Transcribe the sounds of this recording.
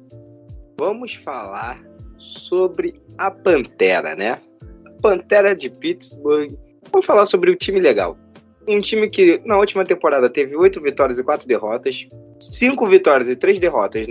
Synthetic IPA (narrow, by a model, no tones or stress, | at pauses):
vɐ̃mʊsfalaɾsobɾɪɐpɐ̃nt̪ɛɾɐ̰nɛ | pɐ̃nt̪ɛɾɐd͡ʒɪpit͡ʃ̪sboɾɡ | vɐ̃mʊsfalasobɾɪʊt͡ʃĩmɪleɡa̰w | ũt͡ʃĩmɪkɪnɐut͡ʃimɐt̪ẽmpoɾad̪ɐt̪evɪojt̪ʊvit̪ɔɾiɐzɪkwat̪ɾʊd̪eɦɔt̪ɐs | sĩŋkʊvit̪ɔɾiɐzɪt̪ɾezd̪eɦɔt̪ɐs